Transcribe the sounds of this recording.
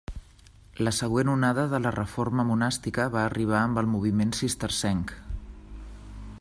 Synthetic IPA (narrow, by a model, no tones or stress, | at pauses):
ləsəɣ̞wenunaðəðələrəforməmunast̪ikəβaəriβ̞aəmbəlˠmuβ̞imensist̪əɾsɛŋk